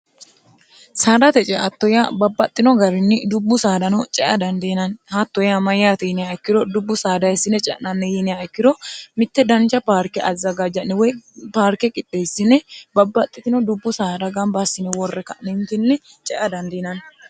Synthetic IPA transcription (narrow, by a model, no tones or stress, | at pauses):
saːdɐt̪ɛt͡ʃʼɛʔɐt̪ːɔjabɐbːɐt̪ʼːɪnɔɡɐɾɪnːɪd̪ʊbːʊsaːd̪ɐnɔt͡ʃʼɛʔɐd̪ɐnd̪ɛnɐnhɐt̪ːɔjamɐjaːt̪ɛjɪnɪjaɛkːɪd̪ɔd̪ʊbːʊsaːd̪ɐjɛsːɪnːɛt͡ʃʼɛ̰ʔnɐnːɛjɪnɪjaɛkːɪd̪ɔmɪt̪ːɛd̪ɐnt͡ʃːɐpaːɾkɛʔɐzːɐɡad͡ʒɐnːɛwɔjpaːɾkɛkʼɪt̪ʼːejsːɪnːɛbɐbːɐt̪ʼːɪt̪ɪnɔd̪ʊbːʊsaːɾɐɡɐmbasːɪnːɛwɔrːɛkːɐʔnɪnt̪ɪnːɛ | t͡ʃʼɛʔɐd̪ɐnd̪ɛnɐn